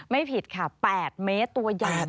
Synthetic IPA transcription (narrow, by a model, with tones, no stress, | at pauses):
ma˥˩jpʰi˨˩t̪̚kʰa˥˩pɛː˨˩t̪̚meː˦˥t̪ːu˧ɐjaː˨˩